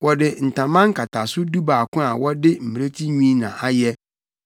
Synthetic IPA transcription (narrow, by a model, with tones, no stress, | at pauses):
wɔ˨dɪ˨n̩˨tʰã˨mã˦ŋ˦kʰa˨tʰa˨sʊ˦du˦baː˨kʰʊ̃˦a˨wɔ˦dɪ˦m̩˨m˨e˦tʰi˦ɲĩː˦nã̰˨a˨jɛ˦